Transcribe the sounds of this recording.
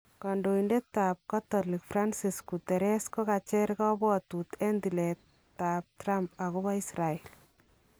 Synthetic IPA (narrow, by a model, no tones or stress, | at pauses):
kandoindetːaːp̚katɔlikfransiskutɛɾɛskɔkat͡ʃɛɾkɔbɔtut̪ɛndilɛtː | ap̚trampakubaisrael